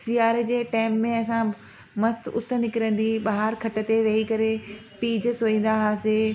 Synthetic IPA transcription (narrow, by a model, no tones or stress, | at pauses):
siːaːɾd͡ʑeːʈaːɪmːẽɐsã | mɐst̪ʊsə̆nɪkɪɾə̃nd̪iɓaɦaɾkʰɐʈə̆t̪eʋɐɦikɐɾepiːd͡ʑsoːĩːn̆d̪aɦaːseː